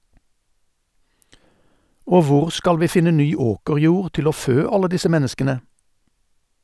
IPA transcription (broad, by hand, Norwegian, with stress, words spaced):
ˈoː ˈʋʊʁ ˈskɑl ˈʋiː ˈfɪnə ˈnyː ˈoːkəʁˌjuːʁ ˈtɪl ˈoː ˈføː ˈɑlə ˈdɪsə ˈmɛnəskənə